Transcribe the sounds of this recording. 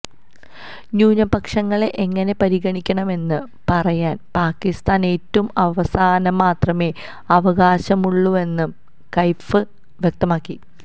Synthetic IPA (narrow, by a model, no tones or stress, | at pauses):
ɲuːnɐbɐkʂɐŋːɐɭeʔeŋːɐne̞pɐɾiɣɐɳikʲːɐɳɐme̞nːɨ | pɐrɐjaːnpaːkːist̪aːne̞ːtːɐumɐʋɐsaːnɐmaːt̪rɐme̞ː | ɐʋɐɣaːɕɐmuɭːue̞nːum | kɐjfɨ | ʋjek̚t̪ɐmaːkːi